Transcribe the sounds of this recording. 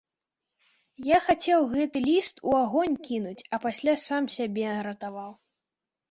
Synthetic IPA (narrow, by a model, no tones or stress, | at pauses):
jaxat͡sʲɛwɣɛt̪ɨlʲist̪ʰuaɣɔnʲkʲinut͡sʲɐpasʲlʲasamsʲabʲɛɾɐt̪avaw